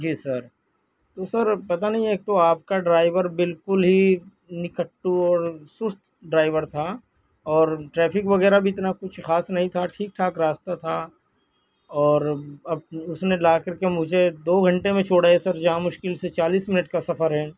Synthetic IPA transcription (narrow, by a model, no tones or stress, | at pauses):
d͡ʒiːsɐɾ | t̪osɐɾpɐt̪anɐɦĩeːk̚t̪oaːpkaɖɾaːɪʋəɾbɪlkʊlɦi | nɪkəʈːuɔːɾsʊst̪ʰ | ɖɾaːɪʋəɾt̪ʰa | ɔːɾʈɾɛːpʰɪkʋɐɡɛːɾabʱiɪt̪nakʊt͡ʃʰxaːsnɐɦĩt̪ʰaʈʰiːk̚ʈʰaːkɾaːst̪at̪ʰa | ɔːɾɐb̚ʊsnelaːkɐɾkemʊd͡ʒʱed̪oːɡʱɐ̃ɳʈemẽt͡ʃʰoːɽaːesɐɾd͡ʒɐɦãmʊʃkɪlset͡ʃaːliːsmɪnəʈkasɐfʰəɾɦɛː